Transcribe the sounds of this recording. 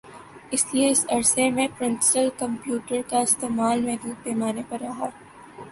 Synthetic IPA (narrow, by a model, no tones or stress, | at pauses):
ɪslieɪsɐɾsemẽpɾɪ̃nsɪʈəlkɐ̃mpjuːʈəɾkaɪst̪eːmaːlmẽːɾũːpɛːmaːnepɐɾːɐɦaː